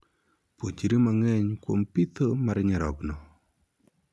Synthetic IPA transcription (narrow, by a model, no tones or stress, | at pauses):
pwot͡ʃiɾimaŋɛɲkwo̰mpit̪ʰomaɾɲɛɾɔknɔ